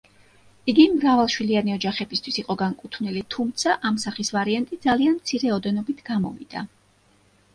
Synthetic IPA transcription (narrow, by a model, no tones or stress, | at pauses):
iɡimɾavalˠʃwilianiɔd͡ʒaχɛbist̪ʰwisiqʼɔɡaŋkʼut̪ʰvnilit̪ʰumt̪sʰaʔamsaχisvaɾiant̪ʼid̪zalianmt̪sʰiɾɛɔd̪ɛnɔbit̪ʰɡ̥amɔ̰vḭd̪̥a̰